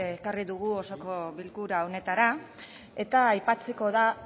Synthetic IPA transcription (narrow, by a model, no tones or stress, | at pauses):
kariðuɣ̞uo̞so̞ko̞βilkuɾao̞ne̞t̪aɾa | e̞t̪aːjpat͡seko̞ða